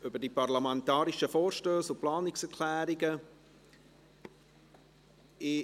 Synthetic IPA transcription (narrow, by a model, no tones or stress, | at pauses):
ʔʏbədiːpaʁlamɛntɑːɾɪʃəfoːɾʃtøːsʊplɑːnɪksɛɹkʰlɛːɾɪɡə | ɪ